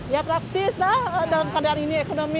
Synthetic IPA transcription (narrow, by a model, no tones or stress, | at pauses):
japɾak̚t̪ɪslahədalamkadaaniniekonomi